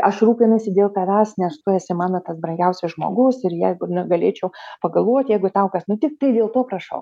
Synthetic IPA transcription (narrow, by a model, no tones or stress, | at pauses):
ɐʃruːpʲɪnʊsʲɪd̪ʲeːlˠt̪ɐʋʲæːsnʲɛst̪ʊɛsʲɪmɑːnot̪ɐsbɾɐŋɡʲɛʊsʲɛsʒmo̰ːɡʊsɪɾjæɪɡʊnʲʊɡɐlʲeːt͡ʃʲɛʊpɐɡɐlˠʋoɔt̪ʲjɛɪɡʊt̪ɐʊkɐsnʊt̪ʲɪk̚t̪ɐɪd̪ʲeːlˠt̪oːpɾɐʃɐ̰ʊ